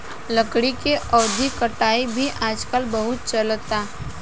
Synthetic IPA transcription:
ləkɽikeʔɔːd̪ʱikəʈaːibʱiʔaːd͡ʒkəlbəɦʊt̪̚t͡ʃəlt̪aː

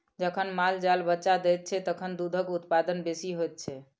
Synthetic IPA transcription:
d͡ʒəkʰənmald͡ʒalbətːʃad̪ɛt̪̚t͡ʃʰɛt̪əkʰənd̪ud̪ʱəkut̪pad̪ənbesiɦojt̪̚t͡ʃʰɛ

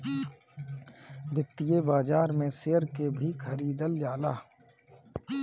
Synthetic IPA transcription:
bʱɪt̪ːɪjebaːd͡ʒaːɾmẽseːəɾkebʱikʰəɾiːd̪əld͡ʒaːlaː

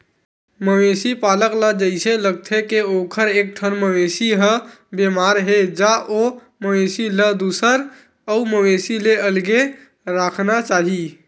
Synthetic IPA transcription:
məmesipaləkləd͡ʒəɪsẽləɡ̚t̪ʰekeokʰəɾek̚ʈʰənməmesiɦə | bemaɾɦed͡ʒaʔo | məwesiləd̪usəɾ | əuməmesileəlɡe | ɾakʰnat͡ʃaɦi

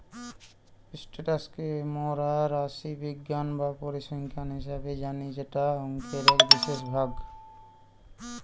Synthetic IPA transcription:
isʈeʈaskemɔɾaɾaʃibiɡːanbapoɾiʃɔŋkʰanɦiʃabed͡ʑanid͡ʑeʈaɦɔŋkʰeɾekbiʃeʃbʱaɡ

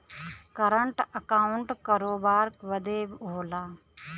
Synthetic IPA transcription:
kəɾəɳʈəkaːʊɳʈkɐɾoːbaːɾkʋəd̪eːbɦoːlaː

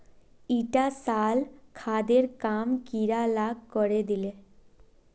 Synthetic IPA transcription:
iʈasalkʰad̪eɾkamkiɾalaɡkɔɾed̪ile

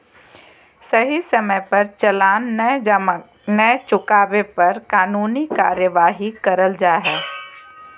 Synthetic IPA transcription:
sɐɦisɐməjpɐɾt͡ʃɐlaːnː | nəjt͡ʃʊkaːʋepɐɾkaːnuːnikaːɾjəʋaːɦikɐɾəld͡ʒaːɦɛː

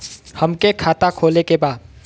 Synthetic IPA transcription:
həmkekʰaːt̪akʰoːlekebaːd̪

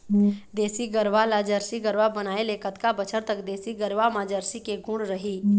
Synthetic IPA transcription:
d̪eːsiɡəɾʋalad͡ʒəɾsiɡəɾʋabənaːelekət̪kabət͡ʃʰəɾt̪əkd̪eːsiɡəɾʋamãd͡ʒəɾsikeɡʱʊ̃ɽɾəɦiː

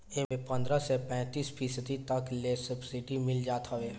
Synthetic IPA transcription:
emẽpɐ̃nd̪ɾasepɛ̃ːt̪iːsfiːsəd̪it̪ɐkleːsəbsɪɖimɪld͡ʒaːt̪aʋeː

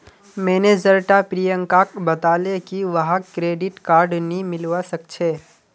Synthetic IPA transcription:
mɛːnezəɾʈapɾijə̃ŋkaːkbɐt̪aːlekiʋɐɦãkɾeːɖɪʈkaːɾɖnĩmɪlʋasɐk̚t͡ʃʰeː

